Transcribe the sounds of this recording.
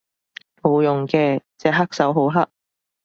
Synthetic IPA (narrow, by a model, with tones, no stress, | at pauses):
mo˨˥wjʊ˨ŋkɛː˧t͡sɛː˧˩ɦɐ˥k̚sɐ˨˥wɦo˨˥wɦɐ˥k̚